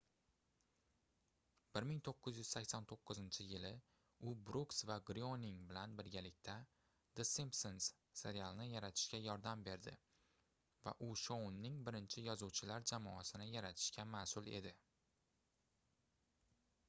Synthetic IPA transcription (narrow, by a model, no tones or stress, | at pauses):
b̥ɪɾmɪŋt̪ʰoqːɨzjʏz̥sakʲsant̪ʰoqʰːɨzɪnt͡ʃʰɪjɪlɪ | ʊbɾuksvaɡɾionɪŋbɪlanbɪɾɡʲalɪkʲt̪ʰa | d̪̥ɪsimpsons | se̞ɾialˠnɪjaɾat̪ʰɪ̥ʃkʲajɒɾd̪ambe̞ɾd̪ɪ | va̰ʔʊʃonːɪŋbɪɾɪnt͡ʃʰɪjɒzuwt͡ʃʰɪlaɾd͡ʒamɒasɪnɪjaɾat̪ʰɪ̥ʃkʲamasʊlˠe̞̰d̪ɪ